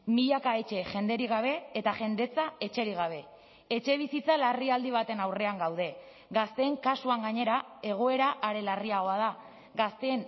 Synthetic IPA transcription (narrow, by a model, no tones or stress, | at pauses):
miʎakae̞t͡ʃe̞ʝe̞nd̪e̞ɾiɣ̞aβ̞e̞ːt̪aʝe̞nd̪e̞t͡sae̞t͡ʃe̞ɾiɣ̞aβ̞e̞ | et͡ʃe̞β̞isit͡salariald̪iβ̞at̪e̞nawre̞aŋɡawð̞e̞ | ɡast̪e̞ːŋkasuaŋɡaɲe̞ɾae̞ɣ̞o̞e̞ɾaʔːɾe̞lariaɣ̞o̞aða | ɡast̪e̞ːn